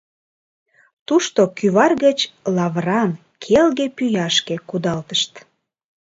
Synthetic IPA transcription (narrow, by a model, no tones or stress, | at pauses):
t̪uʃt̪okyβɑrɣət͡ɕlɑβrɑn | kʰelɣepyjɑʃkekud̪ɑlt̪əʃt̪